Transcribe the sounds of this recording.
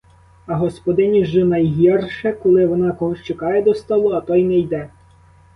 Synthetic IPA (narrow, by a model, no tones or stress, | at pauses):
ɐɦɔspɔd̪ɪnʲiʒɪnɐjɦʲirʃɛkɔlˠɪʋɔnɑkɔɦɔʃt͡ʃekɑjɛd̪ɔst̪ɔlˠʊɐt̪ɔjnɛjd̪ɛ